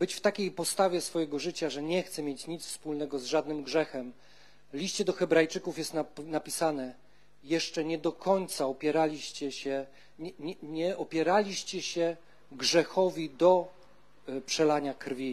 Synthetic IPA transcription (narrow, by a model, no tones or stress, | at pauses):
bɘt͡ɕft̪akʲejpɔst̪avʲjɛsfɔjɛɡɔʐɘt͡ɕaʐɛɲɛxt̪sɛmʲjɛt͡ɕɲit̪sfspulnɛɡɔzʐad̪nɘmɡʐɛxɛm | lʲiɕt͡ɕɛd̪ɔxɛbɾajt͡ʂɘkufjɛst̪nanapʲisanɛ | jɛʂt͡ʂɛɲɛd̪ɔkʰɔɲt̪saɔpʲjɛɾalʲiɕt͡ɕɛɕɛ | ɛɛɲɛʔɔpʲjɛɾalʲiɕt͡ɕɛɕɛ | ɡʐɛxɔvʲid̪ɔ | pʂɛlaɲakɾvʲi